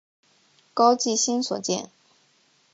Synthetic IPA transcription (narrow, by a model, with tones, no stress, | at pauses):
kɑ˥ʊt͡ɕi˥˩ɕi˥nswɔ̰˨˩t͡ɕjɛ̰˥˩n